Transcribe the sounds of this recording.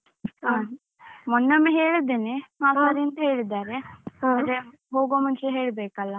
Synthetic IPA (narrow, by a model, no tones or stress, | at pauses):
ɦaː | mɔnːɐmːeɦeːɭid̪eneaːsɐɾijɐnt̪ɐɦeːɭid̪aːɾeɐɾe | ɦoːɡoːmɐnt͡ʃeɦeːɭbeːkɐlːɐ